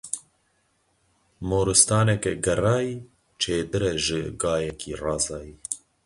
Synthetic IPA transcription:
moːɾɨst̪ɑːnɛkɛɡɛrɑːi | t͡ʃʰeːd̪ɨɾɛʒɨɡaːjɛkʰiːrɑːzɑːjiː

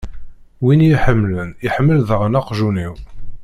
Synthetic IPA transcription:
winjiħəmːləniħəmːəlðəʁnaqʒuniw

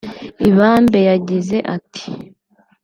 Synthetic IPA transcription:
iβaːmbe̞jaɟize̞ʔatʰi̥

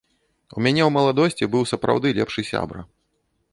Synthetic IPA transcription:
umʲanʲɛwmɐlˠad̪ɔsʲt͡sʲibɨwsɐpɾa̰wd̪ɨlʲɛpʂɨsʲa̰bɾɐ̰

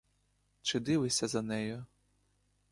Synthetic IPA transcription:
t͡ʃɪd̪ɪʋɪsʲɐzɐnɛjʊ

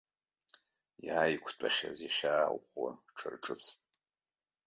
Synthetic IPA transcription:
jaːjkʷʰtʼaχʲaziχʲaːwχʷwa̰ʈ͡ʂʰɨrʈ͡ʂʰɨt͡sʰtʼ

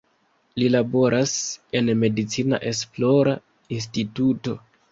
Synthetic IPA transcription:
lilabo̞ɾʔase̞nme̞dit͡sina̰ʔe̞s̬plo̞ɾa | ins̬tituto̞

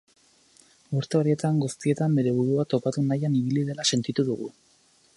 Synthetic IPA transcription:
uɾt̪e̞o̞ɾie̞t̪aŋɡust̪ie̞t̪ambe̞ɾe̞β̞uɾuat̪o̞pat̪unajaniβ̞iliðe̞lase̞nt̪it̪uðuɣ̞ṵ

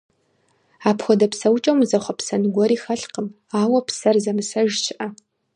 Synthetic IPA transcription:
aːpʰxʷɔdɐpsɐwt͡ʃʼɐwmzɐχʷɐpsɐnɨɡʷɔɾiːxɐɬqəm | aːwɐpsɐrzɐmɨsɐʒt͡ʃʰɪʔɐ

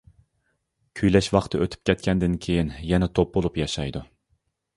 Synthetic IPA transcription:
kʲʰyjlɛʃwɑχt̪ʰɨøt̪ʰy̥p̚kʲʰɛt̪̚kʲʰɛnd̪ɪnkʲʰejinjɛnɛt̪ʰop̚bolˠupjɑʃɑjd̪u

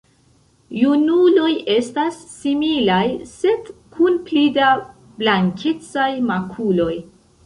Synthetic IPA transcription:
junulo̞je̞stasːimilajse̞dkʰunplida | b̥laŋkʲʰet͡sajmakʰulo̞j

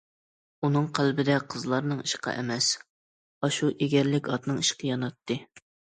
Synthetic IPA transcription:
unɨŋqʰælbɪd̪ɛqʰəzlˠɑɾnɨŋiʃqʰɑ̰ʔɛ̰mɛs | ɑʃuʔeɡʲɛɾlɪkʲɑt̪nɨŋiʃqʰɨjɑnɑt̪ʰːɨ

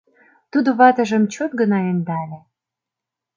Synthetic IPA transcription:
t̪ud̪oβɑt̪ə̆ʒə̆mt͡ɕot̪̚ɡə̆nɑend̪ɑlʲe

